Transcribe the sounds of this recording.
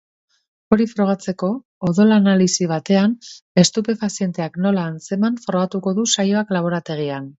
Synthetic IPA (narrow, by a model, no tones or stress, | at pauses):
o̞ɾifɾo̞ɣ̞at͡se̞ko̞ː | ðo̞lanalisiβ̞at̪e̞ane̞st̪upe̞fasije̞nt̪e̞akno̞laːnt͡se̞maɱfɾo̞ɣ̞at̪uko̞ðusajo̞aklaβ̞o̞ɾat̪e̞ɣ̞ian